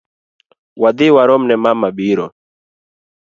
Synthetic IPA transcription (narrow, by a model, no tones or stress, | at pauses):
wad̪iwaɾomnɛmamabiːɾo